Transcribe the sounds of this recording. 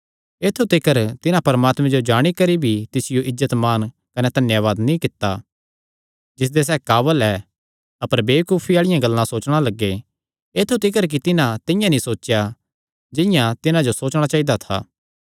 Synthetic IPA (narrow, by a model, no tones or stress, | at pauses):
eːt̪ʰut̪ɪkəɾt̪ɪnãpɐɾmaːt̪mɛ̃d͡ʒod͡ʒaːɽ̃ikɐɾibʱit̪ɪsɪjoʔɪzət̪maːn | kɐnɛt̪ɐnjaːʋaːd̪nĩkɪt̪ːa | d͡ʒɪs̬d̪es̬ɛːkaːbəlɛː | ɐpəɾbeːkuːpʰiaːɭɪjãɡɐlːãsoːt͡ʃɽ̃alɐɡːe | eːt̪ʰut̪ɪkəɾk̬it̪ɪnãt̪ɪ̃jãnĩsoːt͡ʃːja | d͡ʒɪ̃jãt̪ɪnãd͡ʒosoːt͡ʃɽ̃at͡ʃaːid̪at̪ʰa̰ː